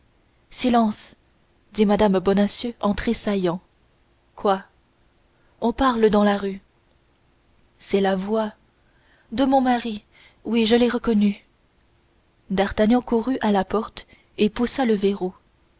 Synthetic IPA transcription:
silɑ̃s | d̪imad̪ambɔnasjøʔɑ̃t̪χesajɑ̃ | kwa | ɔ̃paʁləd̪ɑ̃laʁy | sɛlavwa | d̪əmɔ̃maʁi | wiʒəlɛʁəkɔny | d̪aʁt̪aɲjɑ̃kuʁyʔalapɔʁt̪ | epusaləveʁo

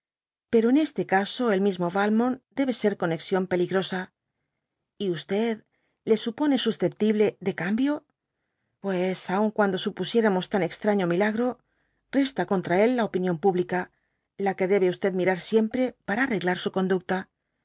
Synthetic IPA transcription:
pe̞ɾo̞ene̞st̪e̞kaso̞e̞lmizmo̞βalmõ̞nd̪e̞βe̞se̞ɾko̞neksjo̞mpe̞liɣɾo̞sa | iust̪e̞ð | le̞supo̞ne̞susθe̞p̚t̪iβle̞ðe̞kambjo̞ | pwe̞sauŋkwand̪o̞supusje̞ɾamo̞st̪ane̞kst̪ɾaɲo̞milaɣɾo̞ | re̞st̪ako̞nt̪ɾae̞lːao̞pinjo̞mpuβlika | lake̞ðe̞βe̞ust̪e̞ðmiɾaɾsje̞mpɾe̞paɾaːre̞ɣlaɾsuko̞nd̪uk̚t̪a

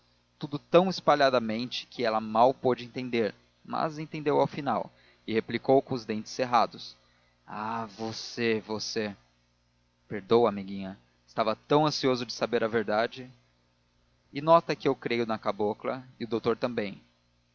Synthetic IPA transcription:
t̪ud̪ʊt̪ɐ̃w̃ɪspaʎad̪ɐmẽnt͡ʃɪ̥kʰɪɛlɐmawpod͡ʒɪẽnt̪ẽnd̪eɾ | mɐ̰zẽnt̪ẽnd̪ewawfinaw | ɪheplikowkõʊzd̪ẽnt͡ʃɪ̥sːeɦad̪ʊs | avosevose | peɾd̪owɐmiɡĩɲɐ | ɪst̪avɐt̪ɐ̃w̃ɐ̃siozʊd͡ʒɪsabeɾɐveɾd̪ad͡ʒɪ | ɪnɔt̪ɐkɪewkɾejʊnɐkaboklɐ̰ɪʊd̪owt̪oɾt̪ɐ̃mbẽj̃

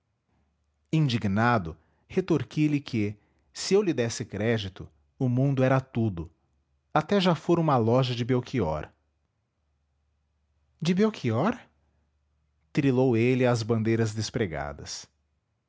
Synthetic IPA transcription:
ĩnd͡ʒiɡnad̪ʊ | het̪oɾkilɪkʰɪ | sɪewlɪd̪ɛsɪkɾɛd͡ʒit̪ʊ | ʊmũnd̪ʊɛɾɐt̪ud̪ʊ | at̪ɛʒafoɾũmɐlɔʒɐd͡ʒɪbewkʰiɔ̰ɾ | d͡ʒɪbewkʰiɔɾ | t̪ɾilowelɪazbɐ̃nd̪ejɾɐzd̪espɾeɡa̰d̪ɐ̰s

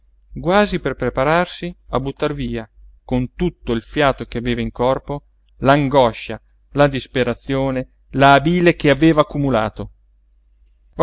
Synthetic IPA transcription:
ɡwaːziperpɾepaɾarsiabut̪ːarviːakont̪ut̪ːoilfjaːt̪ok̟eaveːvaiŋkɔrpo | laŋɡɔʃa | lad̪ispeɾat̪sːjoːne | laːbiːlekeaveːvaːkːumula̰ːt̪o

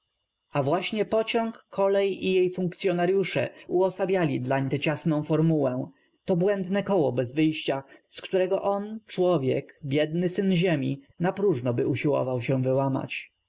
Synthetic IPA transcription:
avwaɕɲɛpɔt͡ɕɔŋkːɔlɛjijejfũŋkt̪sjɔnaɾjuʂɛ̰uɔsabʲjalʲid̪laɲt̪ɛt͡ɕasnɔ̃w̃fɔɾmuwɛ | t̪ɔbwɛnd̪nɛkɔwɔbɛzvɘjɕt͡ɕaskt̪uɾɛɡɔʔɔnt͡ʂwɔvʲjɛ̰kbʲjɛd̪nɘsɘnʑemʲi | napɾuʐnɔbɘuɕiwɔ̰vawɕɛvɘwama̰t͡ɕ

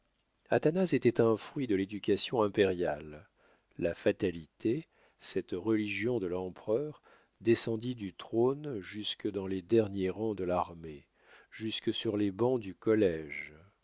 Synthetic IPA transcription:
at̪anazet̪ɛt̪ɛ̃fχɥid̪əled̪ykʲasjɔ̃ɛ̃peʁja̰lː | afat̪alit̪e | sɛt̪ʁəliʒjɔ̃d̪əlɑ̃pχœʁ | d̪esɑ̃d̪id̪yt̪χonʒyskəd̪ɑ̃led̪ɛʁnjeʁɑ̃d̪əlaʁme | ʒyskəsyʁlebɑ̃d̪ykɔlɛʒ

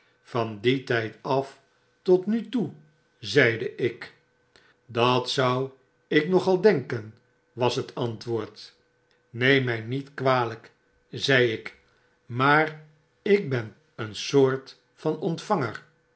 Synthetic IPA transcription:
fɑnditɛjtɑf | tɔtnytu | zɛjdəʔɪk | dɑtsʌw | ɪknɔχɑlˠdɛŋkən | ʋɑsɦətʰɑntʋʊːɹt | nejmɛjnitkʋaːlək | zɛjɪk | maːr | ɪk̚bɛn | ənsoːɹt | fɑnɔntfɑŋər

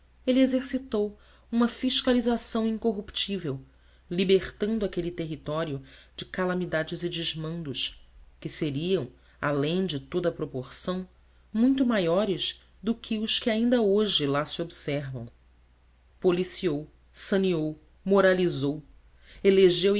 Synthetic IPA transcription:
elɪezeɾsit̪ow | ũmɐfiʃkalizasɐ̃w̃ĩŋkoɦupt͡ʃivew | libeχt̪ɐ̃nd̪ʊakelit̪eɦit̪ɔɾjʊd͡ʒɪkalamid̪ad͡ʒɪzɪd͡ʒɪʒmɐ̃nd̪ʊʃkɪseɾiɐ̃w̃ | a̰lẽj̃d͡ʒɪt̪od̪ɐpɾopoɾsɐ̃w̃ | mũj̃t̪ʊmajɔɾɪʃ | d̪ʊkʰɪʊʃkɪaĩnd̪ɐoʒɪlasiobsɛɾvɐ̰̃w̃ | polisiow | sɐniow | moɾalizow | eleʒew

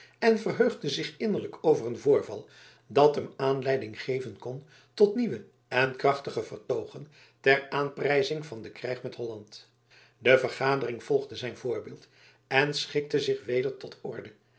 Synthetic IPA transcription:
ɛnvərɦøɥχdəzɪχɪnəɹləkʰowvərənvʊːɹvɑ̰lˠ | dɑtɦəmaːnlɛjdɪŋχejvənkɔn | tɔtniʋə | ɛnkrɑχtəχəvərtowχən | tɛraːnprɛjzɪŋvɑndəkrɛjχmɛtɦɔlɑnt | dəvərχaːdərɪŋv̥ɔlˠχdəzɛjnvʊːɹbɪːlˠt | ɛnsχɪk̚təzɪχʋejdəɹtɔtɔ̰ɹdə

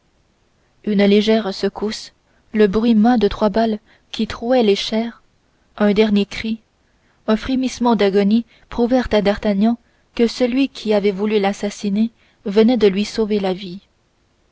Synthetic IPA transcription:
ynleʒɛʁsəkus | ləbʁɥimɛ̃d̪ət̪χwabal | kʲit̪χuɛleʃɛːʁ | œ̃d̪ɛʁnjekχi | ɛ̃fχemismɑ̃d̪aɡɔni | pχuvɛʁt̪ad̪aʁt̪aɲɑ̃ | kəsəlɥikʲʰiavɛvulylasasine | vənɛd̪əlɥisovelavi

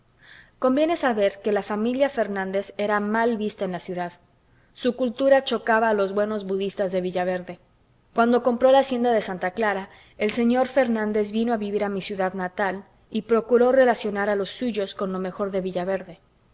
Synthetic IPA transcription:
ko̞mbje̞ne̞saβe̞ɾke̞lafamiljafe̞ɾnãnd̪e̞se̞ɾamalβist̪aenlasjuðað | sukult̪uɾat͡ʃo̞kaβaːlo̞zβwe̞no̞zβuðist̪azðe̞βiʝaβ̞e̞ɾðe̞ | kwand̪o̞ko̞mpɾo̞laːsje̞nd̪aðe̞sant̪aklaɾa | e̞lse̞ɲo̞ɾfe̞ɾnãnd̪e̞zβino̞aβiβiɾamisjuðaðnat̪al | ipɾo̞kuɾo̞re̞lasjo̞naɾalo̞sːuʝo̞sko̞nlo̞me̞xo̞ɾðe̞βiʝaβe̞ɾðe̞

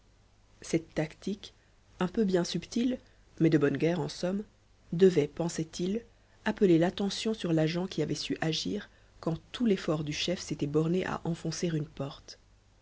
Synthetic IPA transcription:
sɛt̪ːakt̪ik | ɛ̃pøbjɛ̃sypt̪il | mɛd̪əbɔnɡʲɛʁɑ̃sɔm | d̪əvɛpɑ̃sɛt̪il | apəlelat̪ɑ̃sjɔ̃syʁlaʒɑ̃kʲiavɛsyʔaʒiːʁ | kɑ̃t̪ulefɔʁd̪yʃɛfset̪ɛbɔʁneʔa̰ʔɑ̃fɔ̃seʁynpɔʁt̪

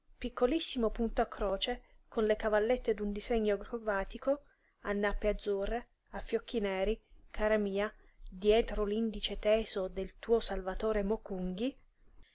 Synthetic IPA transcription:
pikʰːolisːimopunt̪oakːɾɔːt͡ʃe | konlekavalːet̪ːed̪und̪izeɲːoɡɾovaːt̪iko | anːapːead̪zuːre | afːjɔkʰːinɛːɾikʰaːɾamiːa | d̪jɛːt̪ɾolind̪it͡ʃet̪ɛːzod̪elt̪uːosalvat̪oːɾemokuŋɡi

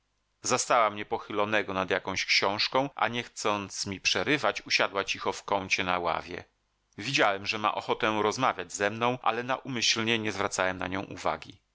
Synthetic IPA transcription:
zast̪awamɲɛpɔxɘlɔnɛɡɔnad̪jakɔ̃w̃ɕkɕɔ̃w̃ʂkɔ̃w̃ʔa̰ɲɛxt̪sɔnt̪smʲipʂɛɾɘvat͡ɕuɕad̪wat͡ɕixɔfkɔnt͡ɕɛnawa̰vʲjɛ̰ | vʲid͡ʑawɛmʐɛma̰ʔɔxɔt̪ɛ̃ɾɔzmavʲjad͡ʑzɛmnɔ̃w̃ʔa̰lɛna̰ʔumɘɕlɲɛɲɛzvɾat̪sawɛmna̰ɲɔ̰̃w̃ʔṵva̰ɡʲḭ

